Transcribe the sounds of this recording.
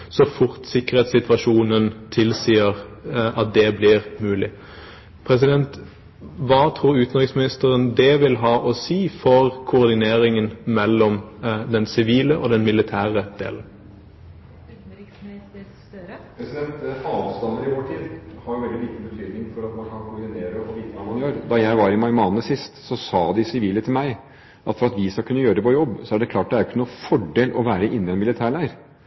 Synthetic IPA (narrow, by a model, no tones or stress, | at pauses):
sɔfʊɾt̪sɪkːəʁɛːt̪sɪt̪ʋɑʂuːnənt̪ʰɪlsiːəʁɑt̪̚d̪ɛblɪʁmʉːlɪ | pʰɾɛs̬ɪd̪ɛnt̪ | ʋɑːt̪ʰɾuːɾʉːt̪n̩ʁɪksmɪnɪst̪əɾənd̪ɛʋɪlɦɑːʔɔsiːfɔʁkʰʊːʁd̪ɪneːɾɪŋənmɛlːɔmd̪ɛnsɪʋiːləʔɔd̪ɛnmɪlɪt̪ʰæːʁəd̪̥ḛːln̩ | pʰɾɛsɪd̪ɛnt̪ɑːʋst̪ɑnd̪əɾɪʋoːʈʰiːd̪hɑɾjʊʋɛld̪ɪliːt̪əbət̪ʰyːd̪nɪŋfɔɾɑt̪mɑnkʰɑnkʊɾd̪ɪnt̪ʰeːɾəɔʋiːt̪əʋɑːmɑnjøːɾd̪ɑjæɪʋɑɾɪmɑɪmɑːnəsɪst̪sɔsɑːd̪ɪsɪʋiːlət̪ʰɪlmæɪ | ʔɑt̪fɔɾɑt̪ʋɪskɑlkʰʉnːəjøːɾəd̪ɛpʰɔjɔbːsɔæɖɛkʰlɑːʈ̚d̪æɾjʊkənuːfɔɖeːlʔɔ̰ʋæːɾəʔɪnːɪɛnmɪlɪt̪ʰæːɭæɪəɾ